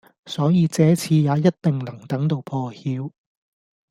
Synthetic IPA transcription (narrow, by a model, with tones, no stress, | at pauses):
sɔː˨˥jiː˨˧t͡sɛː˨˥t͡sʰiː˧jaː˨˧jɐ˥t̚t̪ɪ˨˩ŋlɐ˨˩ŋt̪ɐ˨˥ŋt̪o˨˧wpʰɔː˧hiː˨˧˥w